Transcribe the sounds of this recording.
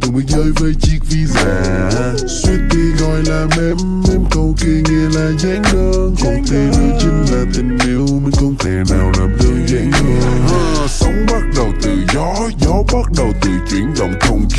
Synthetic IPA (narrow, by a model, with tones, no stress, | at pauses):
t̪ɨ˨˧˩ŋ͡mmə˨˦jzəː˧jvəː˨˦jt͡ɕi˦˥k̚vi˧zaː˧˩ | swi˦˥ət̚t̪i˧ɣɔ˨˩jlaː˨˩mmɛ˧˥mːi˧nkə˧wke˧ŋɛ˧˨laː˨˩za˨˧˦ŋɗə˧nkɔ˨˩nt̪i˧lɨ˧˦t͡ɕɨ˧˦ŋlaː˨˩t̪ï˨˩ŋ̟ni˧˦əwmi˧ŋ̟kɔ˧nt̪ʰe˧˩naː˨˩wlaː˨˩mɗəː˧nza˨˦ŋɗəː˧n˧ | sə˨˦wŋ͡mɓa˦˥t̚ɗə˨˩wt̪ɨ˨˩zɔ˨˦ | zɔ˨˦ɓa˦˥t̚ɗə˨˩wt̪ɨ˨˩t͡ɕwḭ˧˩ənɗə̰˧˨wŋ͡mkə˧wŋ͡m